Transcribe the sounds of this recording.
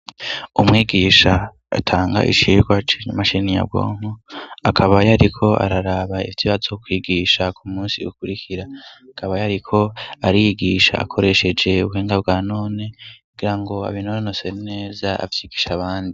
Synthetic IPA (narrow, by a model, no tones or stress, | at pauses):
umwiːɡiːʃa | a̰tʰaːŋɡa̰ʔḭt͡ʃiɾɡwat͡ʃenamaʃinija̰bɡo̰ːŋ̥uakʰaβajaɾikʰo̞ʔa̰ɾaɾaβaiviβazokwiːɡiʃakʰumuːnsiukuɾikʰiɾaakʰaβajaɾikʰo̞aɾijiɡiːʃa̰ːkʰo̞ɾe̞ʃe̞d͡ʒe̞uβuheːŋɡabɡaːnoːne̞kuɡiɾaŋɡo̞a̰βinononosene̞ːzaa̰vjiːɡiːʃaβaːndi